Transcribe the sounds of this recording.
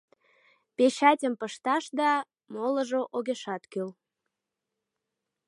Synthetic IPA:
peɕɑtʲəmpəʃt̪ɑʃd̪ɑ | molə̆ʒoʔoɣeʃɑt̪køl

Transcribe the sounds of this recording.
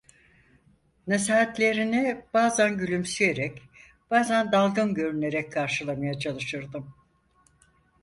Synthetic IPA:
nesaɦat̪lʲe̞ɾinib̥aːzænɟylʲymsyje̞ɾɛc | b̥aːzænd̪alˠɡɯnɟø̞ɾyne̞ɾɛckʰːaɾʃɯlˠamajat͡ʃʰalˠɯʃɯɾd̪ɯm

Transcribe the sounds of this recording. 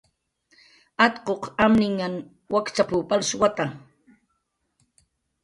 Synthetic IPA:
at̪qoqamnɪŋːaŋ | wakt͡ʃapupalswat̪a

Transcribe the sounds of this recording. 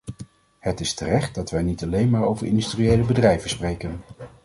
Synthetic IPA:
hətɪstərɛχt̚dɑtʋɛjnitɑlejnmaːɹowvəɹʔɪ̰ndystriejləbədrɛjvəsprejkən

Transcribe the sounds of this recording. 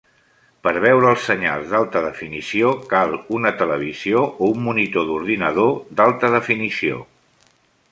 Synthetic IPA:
pəɾβ̞ɛwɾəːlˠsːəɲa̰lˠzðalˠt̪əðəfinisiokalˠunət̪ələβ̞izioʔoumːunit̪oðuɾðinəð̞od̪alˠt̪əðəfinisio̰

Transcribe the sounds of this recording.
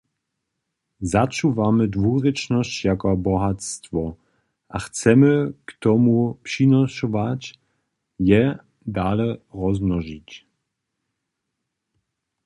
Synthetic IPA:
zat͡ʃuvamədvuʁɛt͡ʃnɔst͡ɕjakɔabɔɦat̪st̪vɔ | ʔaxt͡sɛməkt̪ɔmupʂinɔʃɔvat͡ɕ | jɛ | daːlɛrɔznɔʒic

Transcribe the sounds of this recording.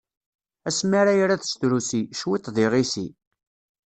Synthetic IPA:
æsmaɾajɾaθst̪ɾusiʃwit̪ˤðˤɪʁisi

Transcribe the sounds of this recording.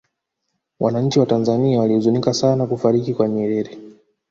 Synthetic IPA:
wʔanaɲ̩t͡ʃiwatanzaniawaliuzunikasanakufaɾikikwaɲɛɾɛɾɛ

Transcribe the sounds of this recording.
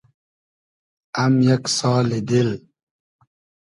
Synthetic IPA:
amjaksaːlɪd̪ɪl

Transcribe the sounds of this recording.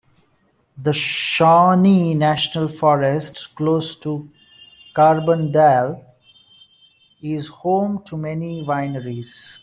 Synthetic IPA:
d̪əʃɔːninæʃnəlfɔːɾɛsʈkloːsʈu | kaːɾbə̃nɖɛl | ɪzhõːmʈʰumɛniʋãɪnəɾiz̥

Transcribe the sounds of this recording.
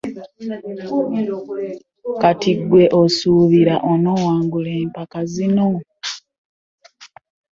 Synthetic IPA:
katiɡwe̞ʔosuːβiɾaʔono̞waːŋɡuleːmpakazino

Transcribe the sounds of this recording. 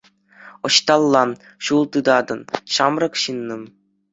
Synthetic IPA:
ŏɕt̪ɑlˠːɑ | ɕulˠt̪ɯd̪ɑd̪ɤ̆nɕɑmrɤ̆kɕɯnːɤ̆m

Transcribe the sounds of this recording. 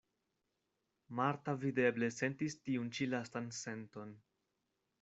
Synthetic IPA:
maɾtavide̞ble̞se̞ntistiunt͡ʃilastanse̞nto̞n

